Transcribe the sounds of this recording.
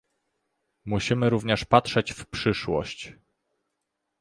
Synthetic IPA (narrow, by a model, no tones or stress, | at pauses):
muɕimɘɾuvɲɛʂpatʂɛt͡ɕfpʂɘʂwɔ̰ɕt͡ɕ